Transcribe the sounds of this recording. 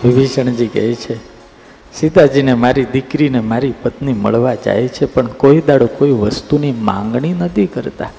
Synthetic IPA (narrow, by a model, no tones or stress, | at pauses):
ʋibiʃəɳ̃d͡ʒikɛ̰jt͡ʃʰe | sid̪ad͡ʒinemaɾid̪ikɾinemaɾipət̪nimə̰ɭʋad͡ʒa̰ɦet͡ʃʰepəɳkoid̪aɽokoiʋəst̪unimã̰ŋɡɳinət̪ʰikəɾt̪a̰